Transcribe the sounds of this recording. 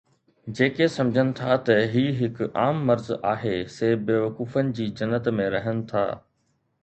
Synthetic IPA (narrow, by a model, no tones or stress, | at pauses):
d͡ʑeːkesɐ̃md͡ʑʱənɪ̆t̪ʰat̪ɐɦiːɦɪkʊaːmːɐɾzaːɦeseːbeːʋɐkuːfənɪ̆d͡ʑiːd͡ʑɐnːət̪mẽɾɐɦənɪ̆t̪ʰa̰ː